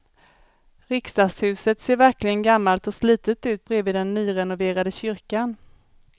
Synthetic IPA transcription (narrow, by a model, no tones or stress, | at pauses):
ɾɪkst̪ɑːshʉ̟ːsət̪seːɾvæɾklɪɡənɡamːalt̪ɔsliːt̪ət̪ʉ̟ːt̪̚bɾeːvɪːd̪ɛnːyːɾɛnʊveːɾad̪əɕʏɾkan